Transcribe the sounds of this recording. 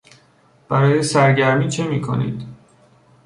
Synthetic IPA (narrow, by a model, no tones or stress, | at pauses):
b̥æɾɒːjesæɾɟæɾmiːt͡ʃʰemiːkʰo̰nḭːd̪̥